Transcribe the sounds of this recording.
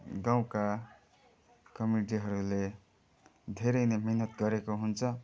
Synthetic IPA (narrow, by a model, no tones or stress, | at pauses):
ɡãw̃ka | kʌmiʈ̬iɦʌɾule | d̪ʱeɾʌjnemiɦnʌt̪ɡʌɾekoɦunt͡sʰʌ